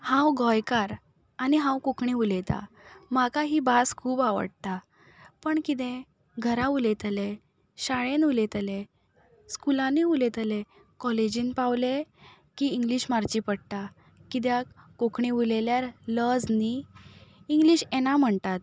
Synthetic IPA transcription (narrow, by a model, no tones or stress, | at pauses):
hãwɡɔjkaɾ | aniɦãwkokɳiulet̪a̰ | makaɦibaskʰuːbaʋə̰ɽt̪a | pəɳkit̪ɛ̃ | ɡʱəɾãulet̪əle | ɕaɭẽnulet̪əle | skulãniulet̪əle | kɔled͡ʑinpawle | kiːŋɡliɕmaɾt͡ɕipəɽt̪a | kit̪̬jakokɳiuleljaɾləd͡zniː | ŋɡliːɕenam̤əɳt̪at̪̚